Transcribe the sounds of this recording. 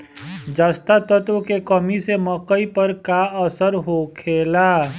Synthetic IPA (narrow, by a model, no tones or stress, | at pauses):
d͡ʒaːst̪at̪ət̪okekəmisemɔkəipəɾkaəsəɾɦoːkʰeːlaː